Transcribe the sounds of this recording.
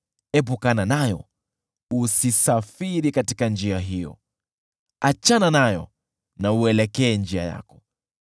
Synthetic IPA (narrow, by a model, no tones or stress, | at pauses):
ɛp̬ukananajɔ̰ | usisafiɾikatikand͡ʒiaɦijɔ̰ | at͡ʃananajɔ̰ | nauɛlɛkɛːnd͡ʒia̰ja̰kɔ̥